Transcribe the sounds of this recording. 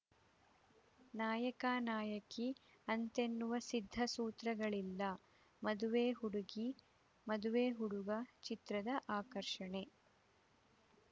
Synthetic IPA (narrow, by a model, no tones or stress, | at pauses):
naːjɐkaːnaːjɐki | ɐnt̪e̞nːuʋɐsid̪ʱːɐsuːt̪ɾɐɡɐɭilːɐ | mɐd̪uʋeːɦuɽuɡi | mɐd̪uʋeːɦuɽuɡɐt͡ʃit̪ɾɐd̪ɐʔaːkɐɾʂɐɳe̞